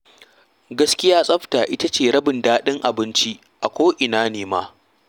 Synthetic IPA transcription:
ɡɐ˦skʲɪ˦jaː˦sʼɐ˦ɸtaː˨ʔɪ˦ta˦t͡ʃeː˨ɽɐ˦bɪ˨ndaː˦ɗɪ˦ŋʔa˨bɪ˦nt͡ʃi˦ | ʔa˨kʷoː˦ʔɪ˨naː˦neː˨ma̰ː˦

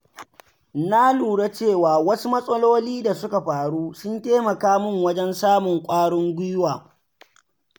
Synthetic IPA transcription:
na˦luː˨ɽe˦t͡ʃeː˦˨waː˨wɐ˦su˦mɐ˦sʼɐ˦loː˦liː˦da˨sʊ˦ka˨ɸaː˨ɽuː˦sʊ˦nteː˦mɐ˨kaː˦mʊ˦˨ŋwɐ˦d͡ʒɛ˦nsaː˦mʊ˨ŋkʷʼaː˦ɽʊ˦ŋɡʷʊ˦waː˨

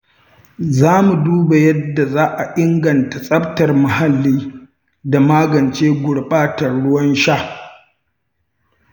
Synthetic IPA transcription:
zaː˦mu˨duː˦ba˨jɐ˦dːa˨zaː˦ʔa˨ʔɪ˦ŋɡɐ˨nta˨sʼɐ˦b̚tɐ˨rma˨ha˨lːiː˦ | da˨maː˦ɡɐ˨nt͡ʃeː˦ɡʷʊ˨ɽɓaː˦tɐ˨rɽʊ˦wɐ˦nʃa˦˨

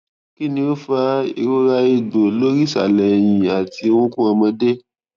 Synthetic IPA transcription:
ki˦nĩ˧o˦fa˧i˧ɾo˦ɾa˧i˧˨ɡ͡bo˨lo˦ɾi˦˨sa̰˨lɛ˨jĩ˨a˨ti˧˦wũ˦kũ˦ã˧mã˧de˦

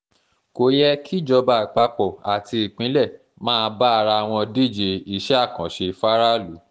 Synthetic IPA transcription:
ko˨jɛ˦kʰi˦d͡ʒɔ˧ba˨k͡pa˧k͡pɔ˨a˨ti˧i˨k͡pĩ˨˦lɛ˦˨ | mãː˦˧ba˦a˧ɾa˧a˨w̃ɔ̃˧di˦˨d͡ʒe˧˨i˨ʃɛ˦a˦˨kã˨ʃe˧fa˦ɾa˦lṵ˨˦

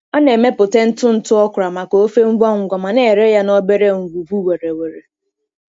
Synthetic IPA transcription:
ɔ˦ne˨me˦pʊ˨te˦n̩˦tʊ˦n̩˦˨tʊ˦ɔ˦kʷʊ˨ɾa˨ma˨ko˨˦o˦fe˦ŋ͡m̩˦ɡ͡bɔ˦ŋ̩ʷ˨ɡʷa˨ma˨ne˦˨e˨ɾe˦ja˦nɔ˦be˦ɾe˦ŋ̩˨ɡu˨bu˦we˨ɾe˨we˨ɾe˨

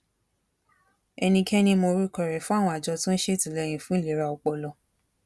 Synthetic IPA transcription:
ɛ˧nĩ˧kʰɛ˦nĩ˧mo˧ɾu˦˨kɔ˨ɾɛ˨fũ˦a˦˨wɔ̃˧a˨d͡ʒɔ˧tũ˦n̩˦ʃe˦˨tĩ˨lɛ˧˨j̃ĩ˨fũ˦le˨˦ɾa˧ɔ˧˨k͡pɔ˧lɔ˧

